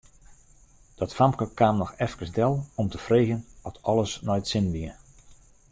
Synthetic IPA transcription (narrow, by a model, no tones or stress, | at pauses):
d̥ɔtfamkəkaːmnɔxɛfkəsdɛlˠɔmtəfreːɣənɔtʰɔlˠəsnɔjtsɪnʋiə